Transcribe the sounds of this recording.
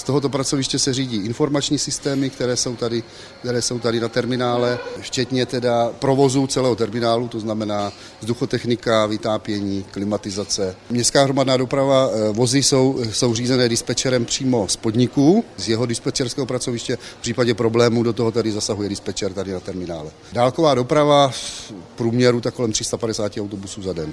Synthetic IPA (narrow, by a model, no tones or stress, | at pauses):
st̪oɦo̞t̪opɾat͡so̞vɪʃcɛsɛriːɟiːʔɪnfo̞ɾmat͡ʃɲiːsɪst̪ɛːmɪk̚t̪ɛɾɛːso̞wt̪adɪ | kt̪ɛɾɛːso̞wt̪adɪnat̪ɛɾmɪnaːlɛft͡ʃɛt̪ɲɛt̪ɛdapɾo̞vo̞zut͡sɛlɛːɦot̪ɛɾmɪnaːlut̪o̞znamɛnaː | zduxo̞t̪ɛxnɪkavɪt̪aːpjɛɲiːklɪmat̪ɪzat͡sɛmɲɛst̪kaːɦɾo̞madnaːdo̞pɾavavo̞zɪso̞wso̞wriːzɛnɛːdɪspɛt͡ʃɛɾɛmpr̝̥iːmo̞spodɲɪkuːzjɛɦo̞dɪspɛt͡ʃɛɾskɛːɦopɾat͡so̞vɪʃcɛfpr̥iːpaɟɛpɾo̞blɛːmuːdot̪oɦo̞t̪adɪzasaɦujɛdɪspɛt͡ʃɛɾt̪adɪnat̪ɛɾmɪnaːlɛ | daːlko̞vaːdopɾava | pɾuːmɲɛɾut̪ako̞lɛmt̪r̝ɪst̪apadɛsaːcɪawt̪o̞busuːzadɛn